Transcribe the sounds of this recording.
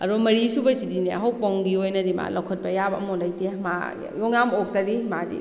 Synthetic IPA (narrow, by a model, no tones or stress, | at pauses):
ɐ̰ɾomɐɾisubɐsidiniɐ̰ɦowpɔŋɡiojnɐdima̰lawkʰɔt̚bɐjabɐɐmolajtema̰ | jɔŋamok̚tɐɾimadḭ